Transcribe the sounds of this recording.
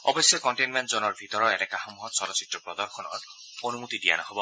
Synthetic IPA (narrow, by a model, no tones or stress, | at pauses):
ɔbɔsjɔkɔnʈenmenʈzonɔɹbʱit̪ɔɾɔenɛkaɦɔmuɦɔt̪sɔɾɔsit̪ɾɔpɹɔd̪ɔɾxɔnɔ̰t | onumut̪idia̰nɔɦɔbɔ